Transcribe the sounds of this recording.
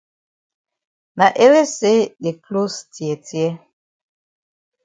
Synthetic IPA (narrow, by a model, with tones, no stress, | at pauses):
na˨ʔe˦ɾe˦se˦ɗe˨klo˦sti˨ɛ˨tjɛ˦